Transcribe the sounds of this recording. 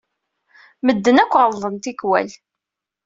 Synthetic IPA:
məd̪ːənækʷːʁəlðˤənt̪ikwæ̰l

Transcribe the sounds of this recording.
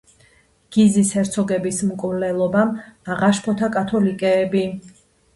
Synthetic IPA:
ɡ̥izisɛɾt̪sʰɔɡɛbismkʼvlɛlˠɔbamaʁaʃpʰɔt̪ʰakʼat̪ʰɔlikʼɛːbi

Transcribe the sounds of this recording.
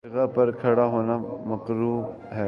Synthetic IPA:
ɪɣapɐɾkʰɐɽaɦoːnamɐkɾuː | ɦɛː

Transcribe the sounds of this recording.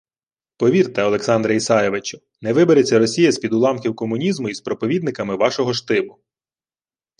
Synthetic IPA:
pɔʋʲirt̪ɛɔlˠeksɑnd̪ɾɐisɑjeʋɪt͡ʃʊ̥ | nɛʋɪbeɾet͡sʲːɐɾɔsʲijɐsʲpʲid̪ʊlˠɑmkʲiwkɔmʊnʲizmʊispɾɔpɔʋʲid̪̚nɪkɐmɪʋɑʃɔɦɔʃt̪ɪbʊ

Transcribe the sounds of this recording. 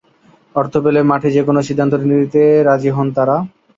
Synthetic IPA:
ɔɾt̪ʰopelemaʈʰed͡ʑekonoʃid̪ʱːant̪oɾinid̪it̪eɾad͡ʑiɦɔnt̪aɾa

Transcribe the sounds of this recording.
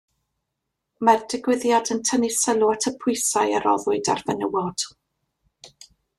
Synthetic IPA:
mardɪɡwɪðjadəntʰənɪsəlˠuatʰəpʰʊɨsajəɾɔ̰ðʊɨda̰rvənəwɔd̥

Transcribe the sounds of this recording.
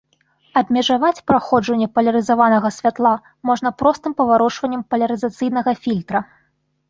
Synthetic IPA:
ɐbʲmʲɛʐavat͡sʲpɾaxɔd͡ʐɐnʲːɛpɐlʲɐɾɨzavanɐɣɐsʲvʲat̪lˠa | mɔʐnɐpɾɔst̪ɨmpɐvaɾɔt͡ʂvɐnʲːɛmpɐlʲɐɾɨzat̪sɨjn̪ɐɣɐfʲilʲt̪ɾɐ

